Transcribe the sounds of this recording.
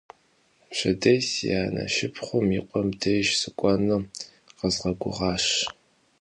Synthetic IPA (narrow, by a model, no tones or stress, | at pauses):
ɕɐdɐjsjaːnɐ̰ʃɪpʰχʷʊmiqʷʼɔmdʰɐjʒsɨkʷʼɔnɨ | qəzʁɐɡʷʊ̰ʁɑːʃ